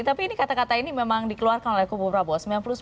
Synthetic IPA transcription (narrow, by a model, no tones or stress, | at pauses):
t̪apiːnikat̪akat̪ainimemaŋdikəluarkanɔlɛhkubuɾabɔsmɛaŋplʊs